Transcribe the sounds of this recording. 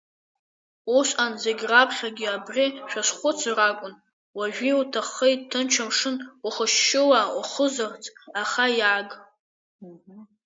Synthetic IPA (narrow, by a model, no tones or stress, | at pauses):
uʃʷʼanzeɡʲrapʰχʲaɡʲiabrʲiʃᶣasχʷʊt͡sʰrakʷʼʊn | waʒᶣiutʰaχejttʰːɨnt͡ʃʰamʂɨnuχəʃːɪwauχəzɨrt͡sʼaχajaɡʼ